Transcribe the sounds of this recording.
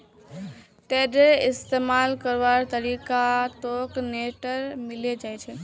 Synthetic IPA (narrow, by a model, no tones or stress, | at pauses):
ʈeɖeist̪emalkəɾʋaɾt̪əɾikat̪okneʈəɾmiled͡ʒajt͡ʃʰɛ